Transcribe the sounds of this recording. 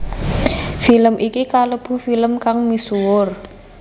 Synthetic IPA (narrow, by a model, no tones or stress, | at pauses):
filəmʔikikaləb̥ṳfiləmkaŋmisuwʊr